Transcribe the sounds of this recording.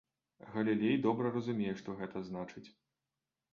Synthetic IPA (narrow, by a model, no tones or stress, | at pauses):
ɣɐlʲilʲejd̪ɔbɾɐrɐzumʲejɛʂt̪ɔɣɛt̪ɐznat͡ʂɨt͡sʲ